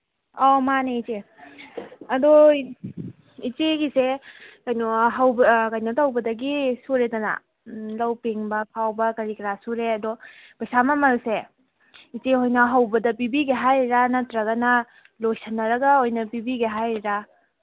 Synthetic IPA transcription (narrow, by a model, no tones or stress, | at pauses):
ɔmaneit͡ʃe | ɐdɔ | it͡ʃeɡisekɐjnɔɦɐwbkɐjnɔtʰɐwbɐdɐɡisuɾedɐna̰ | lɐwpeŋbɐkʰawbɐkɐɾikɾasuɾeɐdɔ | bajsamɐmɐlse | it͡ʃeɦojnɐɦɐwbɐdɐpibiɡiɦajɾanɐtɾɐɡɐnɐ | lojsɐnːɐɾɐɡɐojnɐpibiɡiɦajɾɾa